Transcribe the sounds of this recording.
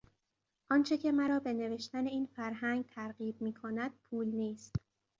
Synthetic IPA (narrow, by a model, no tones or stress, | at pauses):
ʔɒnt͡ʃʰe̞cʰe̞mæɾɒːbe̞ne̞ve̞ʃt̪æne̞iːnfæɾɦæŋɡ̚t̪ʰæɾɢiːb̚miːkʰonæd̪̥̚pʰuːlniːst̪